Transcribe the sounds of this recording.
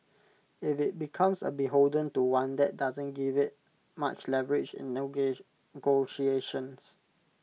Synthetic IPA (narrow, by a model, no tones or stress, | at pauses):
ɪfɪt̚bikʰãmsə̰biɦoldə̃ntuwãndɛʔ̚dazə̃nɡivɪt̚ | ma̰t͡ʃlɛvəɹɪd͡ʒɪ̰̃nː | ɡoʃieʃə̃ns